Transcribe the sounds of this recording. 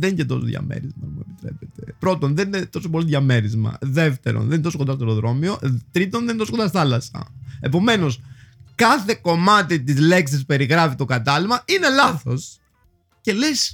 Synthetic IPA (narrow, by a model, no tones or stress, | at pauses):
ðenit̪et̪o̞so̰ðʝɐ̰mḛɾizmɐ̰uepi̥t̪ɾe̞̰pet̪e̞pɾo̞t̪o̞nðe̞ninet̪o̞so̞po̞liðʝɐme̞ɾizmɐ̰ðe̞ft̪e̞̰ɾonðenint̪osokond̪ɐs̬t̪oɾoðɾo̞mio̞t̪ɾit̪o̞nðenet̪osoknd̪ɐs̬θɐlɐsɐ̰e̞po̞me̞no̞skɐθe̞ko̞mɐt̪it̪izle̞ksis̬pe̞ɾiɣɾɐfit̪o̞kɐt̪ɐlimɐine̞lɐθo̞s | ce̞les